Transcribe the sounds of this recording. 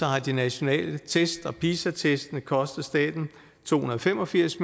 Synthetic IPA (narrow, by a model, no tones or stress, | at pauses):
ɒ̽hɑ̈d̥inæɕo̝nɛ̰ːlət͡sʰesd̥ɒ̽pʰiːsæt͡sʰesd̥nəkʰɒ̽sd̥ð̩ˠsd̥ɛ̰ːd̥n̩ | t͡sʰo̝̰ːhunɐðˠfem̰ɒ̽fiɐ̰sm